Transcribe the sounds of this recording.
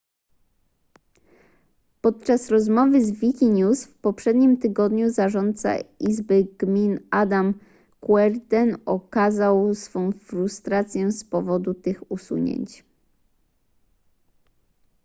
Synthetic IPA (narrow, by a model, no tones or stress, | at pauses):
pɔt̪̚t͡ʂasɾɔzmɔvɘzvʲikʲiɲusfpɔpʂɛd̪ɲimt̪ɘɡɔd̪ɲuzaʐɔnt̪̚sa̰izbɘɡmʲinad̪am | kwɛɾd̪ɛnɔkazawsfɔ̃w̃fɾust̪ɾat̪sʲjɛspɔvɔd̪ut̪ɘxusṵɲḛɲt͡ɕ